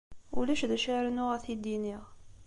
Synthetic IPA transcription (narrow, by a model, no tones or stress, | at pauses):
ṵlæʃðæʃaɾənʊʁæθid̪iniʁ